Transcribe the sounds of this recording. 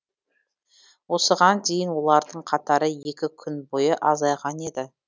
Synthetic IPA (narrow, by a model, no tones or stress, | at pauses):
wo̞səʁɑnd̪e̞jɪnwo̞lˠɑɾd̪əɴqʰɑt̪ɑɾəje̞kʲɪkʲʰʏnbo̞jəʔɑzɑjʁɑne̞d̪ɪ